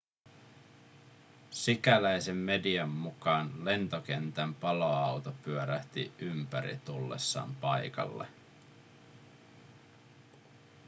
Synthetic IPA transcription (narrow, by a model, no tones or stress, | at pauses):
sikælæjsemːe̞diɑmːukɑːnle̞nt̪ok̟e̞nt̪æmpɑloɑwt̪opyøɾæht̪ḭympæɾḭt̪ulːḛsːɑ̰ːmpɑjkɑ̰lːḛ